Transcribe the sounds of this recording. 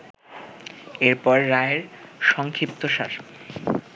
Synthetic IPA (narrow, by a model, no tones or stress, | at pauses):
eɾpɔɾːaeɾʃɔŋkʰip̚t̪oʃa̰ɾ